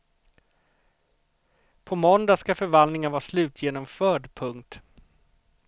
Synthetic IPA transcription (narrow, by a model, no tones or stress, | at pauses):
pʰɔmɔnd̪askafœɾvand̪nɪŋənvɑːslʉ̟ːt̪ʰjeːnɔmfœːɖpʰɵŋk̚t̪